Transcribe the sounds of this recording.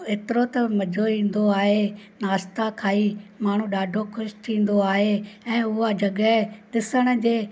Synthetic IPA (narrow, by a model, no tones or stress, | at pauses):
eːt̪ɪɾot̪ɐmɐd͡ʑʱoĩːn̆d̪oaːɦenaːst̪akʰaːiːmaːɳ̤ũɗaːɖʱokʰʊʃt̪ʰĩːn̆d̪oaːɦeɛ̃ːʊɦad͡ʑɐɠɛɗɪsəɽ̃ə̆d͡ʑeː